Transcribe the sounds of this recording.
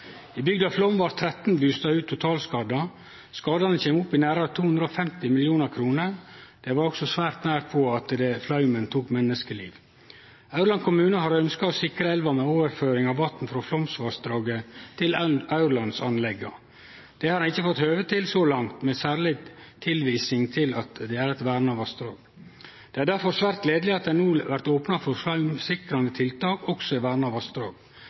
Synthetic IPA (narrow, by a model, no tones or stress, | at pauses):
ibʏɡd̪ɑflɔmʋɑɾt̪ʰɾɛt̪n̩bʉːst̪ɑʉːt̪ʰːʊt̪ʰɑːlskɑːd̪ɑ | skɑːd̪ɑnəçeːmʊpːɪnæːɾɑɾɑt̪ʰuːhʉnd̪ɾəɔfɛmt̪ɪmɪljuːnəɾkʰɾuːnəɾd̪̥ɛʋɑɾɔksɔsʋæːɾt̪næːɾpʰɔɑt̪d̪ɛflɑʉmənt̪ʰuːkmɛnːəskəlḭːʋ | ɑʉɾɭɑnkʰʊmʉːnəɦɑɾœnskɑɔsɪkɾəɛlʋɑmɛoːʋəɾføːɾɪŋɑʋʋɑt̪n̩fɾoːflɔmsʋɑːɾsd̪ɾɑːɡət̪ʰɪlɑʉɾlɑnsɑnlɛɡːɑ̰ | d̪̥ɛhɑɾɑnɪçːəfɔt̪høːʋət̪ʰɪlsolɑŋt̪mɛsæːɾɭɪt̪ʰɪlʋiːsɪŋt̪ʰɪlɑt̪d̪ɛæɾɛt̪ʋæːɾnəɑʋɑst̪ɾoːɡ | d̪̥ɛːæːɖ̪æɾfɔɾsʋæɾt̪̚ɡleːd̪əlɪɑt̪d̪æɪnuːʋæɾt̪oːpnɑfɔɾflɑʉmsɪkɾɑnd̪ət̪ʰɪlt̪ɑːkɔksɔɪʋæːɾnɑʋɑst̪ɾɑːɡ